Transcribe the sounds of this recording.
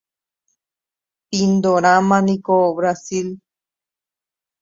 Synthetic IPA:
pind̪oɾãmãnĩkoβɾasil

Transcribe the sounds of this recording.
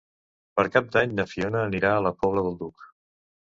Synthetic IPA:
pəɾkap̚d̪aɲnəfionəːniɾaələpɔβləðəlˠd̪uk

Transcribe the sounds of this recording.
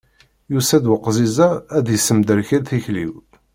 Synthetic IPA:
jusæd̪wəqːzizæːd̪jəsːəmd̪əɾçælθiçlḭw

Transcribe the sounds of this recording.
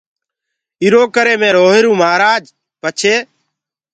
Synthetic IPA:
iɾoːkəɾeːmẽːɾoːɦɪɾũːmaːɾaːd͡ʒ | pət͡ʃʰeː

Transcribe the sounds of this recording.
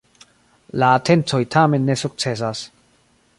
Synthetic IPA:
laːtʰe̞nto̞jtʰame̞nːe̞suk̚t͡se̞s̬as

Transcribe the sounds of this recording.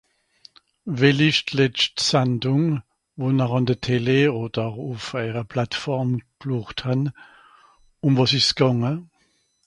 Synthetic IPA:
vɛlɪʃtlɛt͡ʃtsɛndʊŋ | vonaʁɑndətʰeleoːd̥əʁufɛɪʁəpʰlatfɔʁmkluχthan | ʊmvɑsɪsɡ̥ɑŋə

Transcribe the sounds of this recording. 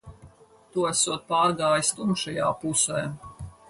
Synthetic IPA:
t̪uɔæsuɔt̪̚paːɾɡaːjist̪umʃajaːpusɛː

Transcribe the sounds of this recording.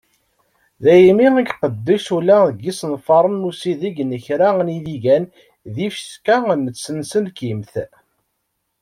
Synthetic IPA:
ðæjmiæɡqəd̪ːiʃulæðəɡisnfɑɾˤənːusiðiɡnəçɾæniðiʝæn | ðifskænət͡sːənsənkimθ

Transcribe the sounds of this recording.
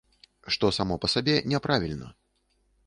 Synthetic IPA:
ʂt̪ɔsamɔpɐsabʲɛnʲɛpɾʔavʲilʲnɐ̰

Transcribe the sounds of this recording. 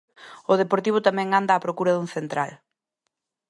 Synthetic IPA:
ʊðepoɾt̪iβ̞ʊt̪amɛ̃ŋand̪aːpɾokuɾɐðuŋθent̪ɾal

